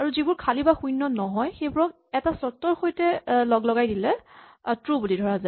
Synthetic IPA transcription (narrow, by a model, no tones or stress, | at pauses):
aɹuzibʊɹkʰalibaxujnːɔnɔɦɔjxejbʊɹɔk | ɛtasɔtːɔɹxojtɛlɔɡlɔɡajdilɛ | tɹubulidʱɔɹaza